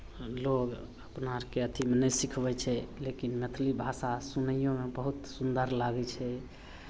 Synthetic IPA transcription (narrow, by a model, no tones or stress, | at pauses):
loɡ | əpnaɾkeət̪ʰimenəjsikʰbɛt͡ʃʰɛlekinmet̪ʰlibʱasasunəijõmebəɦut̪sund̪əɾlaɡɛt͡ʃʰɛ